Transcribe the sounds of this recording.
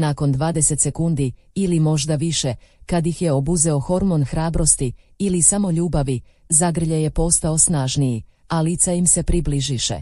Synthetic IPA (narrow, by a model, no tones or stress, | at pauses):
nako̞nd̪ʋaːd̪e̞set̪se̞kund̪i | ilimo̞ʒd̪aʋiʃekad̪ixjeobuzeo̞xo̞ɾmo̞nxɾaːbɾo̞st̪iilisamo̞ʎuːbaʋi | zaɡr̩ʎaje̞po̞st̪ao̞snaːʒniji | alit̪saimse̞pɾibliʒiʃḛ